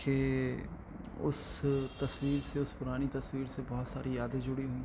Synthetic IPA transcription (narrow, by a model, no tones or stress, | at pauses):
ke | ʊ̰st̪ɐswiːɾseʊspʊɾaːñit̪ɐswiːɾsebɔɦt̪saːɾijaːd̪ẽd͡ʒʊɽiɦʊĩː